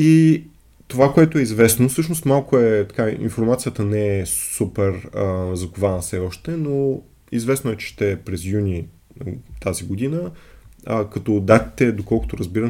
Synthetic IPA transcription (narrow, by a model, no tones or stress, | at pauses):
i | t̪ovakoɛt̪oɛizvɛsnofsɤʃnost̪malˠkoɛt̪ɐ̥kaḭnfoɾmat̪sijət̪ənɛɛsupɛɾəzɐkovanəfsɛɔʃt̪ɛno | izvɛsnoɛt͡ʃɛ̥ʃt̪ɛpɾɛzjunʲi | t̪aziɡod̪inəəkɐt̪ɔd̪at̪i̥t̪ɛd̪okɔlˠko̥t̪oɾəzbiɾə